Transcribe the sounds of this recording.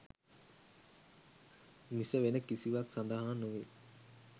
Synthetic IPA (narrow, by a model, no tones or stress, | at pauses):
misəʋenəkisiʋaksand̪əɦaːnuʋe